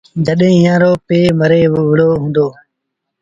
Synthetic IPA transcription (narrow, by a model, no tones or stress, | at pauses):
d͡ʒəɗɦẽːɪjãːɾoːpeːməɾeːʋɪɽoːɦũːnd̪oː